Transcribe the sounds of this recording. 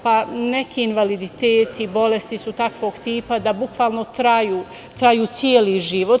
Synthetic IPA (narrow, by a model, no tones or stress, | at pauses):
pane̞kʰiːinʋalid̪it̪eːt̪ʰibo̞le̞st̪isut̪akʋo̞ːɡt̪iːpad̪abukʋaːlˠnot̪ɾajuː | t̪ɾajuːt̪sjeːliʒiʋo̞t̪